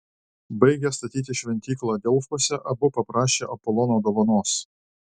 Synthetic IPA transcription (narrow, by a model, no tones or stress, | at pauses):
bɐɪɡʲɛst̪ɐt̪ʲiːt̪ʲɪʃʲʋʲɛnʲt̪ʲiːklˠɑːd̪ʲɛʊfosʲɛʔɐbʊpɐpɾɑːʃʲeːʔɐpɔlˠɔnoːd̪oːʋɐnoːs